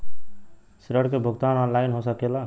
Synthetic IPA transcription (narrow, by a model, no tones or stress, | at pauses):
sɾəɽkebʱuɡt̪anɔnlainɦosəkela